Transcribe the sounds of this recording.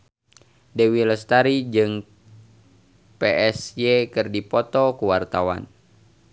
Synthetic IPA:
dɛwiləst̪aɾid͡ʒɨŋ | peʔɛsjekɨrdipɔt̪ɔkuwart̪awa̰n

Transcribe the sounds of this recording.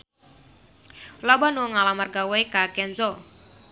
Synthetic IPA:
lɔbanuoŋalamarɡawekakɛnzɔ

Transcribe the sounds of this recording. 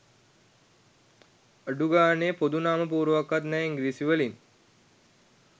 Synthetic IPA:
əɖuɡaːneːpod̪unaːməp̬uːɾəʋakːat̪nɛːiŋɡɾiːsiʋəlin

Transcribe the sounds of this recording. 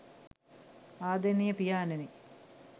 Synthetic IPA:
aːd̪enijɐpijaːneni

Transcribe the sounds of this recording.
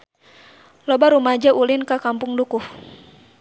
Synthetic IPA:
lɔbaɾumad͡ʒaʔulɪnkakampʊŋdukuh

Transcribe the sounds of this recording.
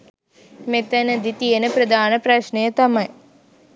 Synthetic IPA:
met̪ɐnəd̪it̪ijenəpɾɐd̪aːnəpɾɐʃnejət̪ɐmɐj

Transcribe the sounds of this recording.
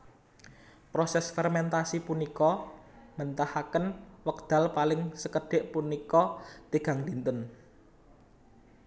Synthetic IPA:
pɾosɛsfɛrmɛnt̪asipunikɔmənt̪ahakənwək̚d̪̥ä̤lpalɪŋsəkəɖ̥e̤ʔpunikɔt̪eɡ̥ä̤ŋd̪int̪ən

